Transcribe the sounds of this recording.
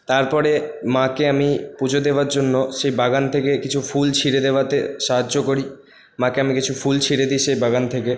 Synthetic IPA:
t̪aɾpɔɾemãkeamipud͡ʑʱod̪eoaɾd͡ʑonːoʃejbaɡant̪ʰekekit͡ɕʰufult͡ɕʰiɾed̪eoat̪eʃaɦadːokoɾi | mãkeamikit͡ɕʰufult͡ɕʰiɾed̪iʃejbaɡant̪ʰeke

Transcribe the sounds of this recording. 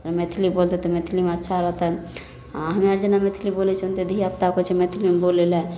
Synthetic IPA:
met̪ʰilibolt̪et̪omet̪ʰilimeətːʃʰaɾət̪ə | ɦəmaɾd͡ʒenamet̪ʰilibolit͡ʃʰunt̪ed̪ʱiiap̚t̪akot͡ʃʰemet̪ʰilimbolelẽ

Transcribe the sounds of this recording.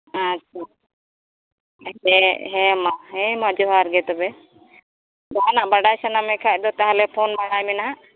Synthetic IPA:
atːt͡ʃʰa | ɛɦɛmaɦɛ̃mad͡ʒɔɦaɾɡɛt̪ɔbɛ | d̪aanaʔbaɖajsanamɛkʰac̚ˀd̪ɔt̪aɦalɛpʰɔnbaɽajmɛnaɦa

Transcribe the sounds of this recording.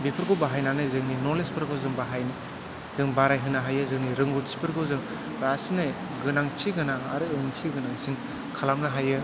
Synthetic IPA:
bipʰɯɾɡobaɦajnanɯzɯŋninolespʰɯɾɡɯwzɯŋbaɦajni | z̥ɯŋbaɾajɦɯnaɦajɯzɯŋniɾɯŋɡutsi̥pʰɯɾɡɯzɯŋ | ɾasnɯ | ɡɯnaŋtʰiɡɯnaŋaɾɯɯŋtʰiɡɯnaŋsiŋ | kʰalamnaɦajɯ

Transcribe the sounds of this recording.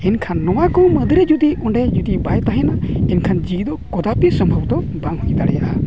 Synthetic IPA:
ɛnkʰanːɔwakɔməd̪ʱɾɛd͡ʒud̪iʔɔɳɖɛd͡ʒud̪ibajt̪aɦɛnaɛnkʰand͡ʒid̪ɔkɔd̪apisɔmbʱəbd̪ɔbaŋhujd̪aɽɛjaʔa

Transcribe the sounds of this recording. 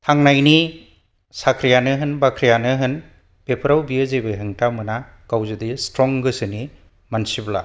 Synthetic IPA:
tʰaŋnajni | sakʰɾijanɯɦɯnbakʰɾijanɯɦɯn | b̥epʰɯɾawbiɯzebeɦɯŋtamɯna | ɡ̥awzɯdistɾɔŋɡɯsɯni | mansibla̰

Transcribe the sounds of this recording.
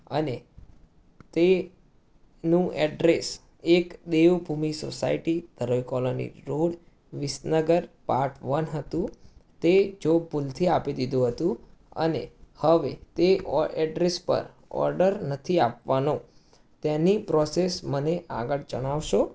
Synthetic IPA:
əne | t̪e | nũɛɖɾes | ekd̪eʋbʱumiso̰sa̰iʈid̪̥ʱəɾokɔlonḭɾoɽ | ʋɪsnəɡəɾpaɾʈʰʋənɦət̪ũt̪ed͡ʒobʱult̪ʰiapid̪id̪ʱũɦət̪ũə̰nehəʋḛt̪eɔɛɖɾespə̰ɾ | ɔ̰ɾɖəɾnət̪ʰiapʋano | t̪ɛnipɾɔsesməneʔa̰ɡəɽd͡ʒəɽ̃aʋʃo

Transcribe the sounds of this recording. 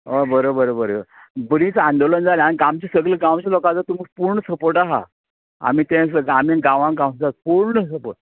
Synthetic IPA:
obəɾobəɾobəɾ | bɾĩːt͡sãnd̪olənd͡zaleaɽ̃ikamt͡ɕisəɡleɡãw̃t͡ɕalokãt͡sat̪umiːpuɾɳəsəpoʈaɦa̰ | a̰miːt̪ɛ̃s̬əamĩɡãʋãŋkɡãw̃sd͡zat̪puɾɳəsəpo̰ʈ̚

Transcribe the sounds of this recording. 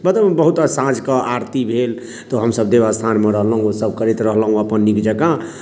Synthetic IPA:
bət̪əbbəɦut̪sãd͡ʒkəʔaɾt̪ibʱel | t̪oɦəmsəbd̪ebast̪ʰanmeɾəɦlɦũosəb̚kəɾit̪ɾəɦlɦũəpənːikd͡ʒəkã

